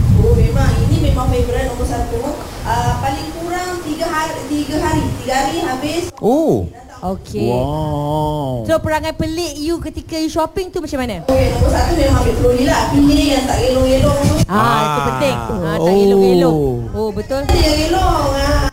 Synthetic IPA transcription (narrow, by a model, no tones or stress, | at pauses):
omemãŋinĩmẽmãŋmebɾanduɔbusat̪uəpalɪŋkuɾaŋt̪iɡaɦat̪iɡaɦaɾit̪iɡaɦaɾiɦabɪsʔo | okʰewa | sɾopəɾaŋãnpəlɪʔjukət̪ikajuʃɔpɪŋt̪umat͡ʃamanaokenubosat̪umẽmãŋabɪʔpəlolilapiəjaŋt̪aʔɡelɔŋjelɔŋt̪uait̪upənt̪ɪŋuaaoeloelo | obət̪ʊldiaɡelɔŋa